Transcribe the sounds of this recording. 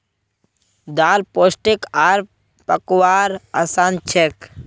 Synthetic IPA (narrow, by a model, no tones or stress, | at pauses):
d̪aːlposʈikaɾ | pəkwaːɾasaːnt͡ʃʰek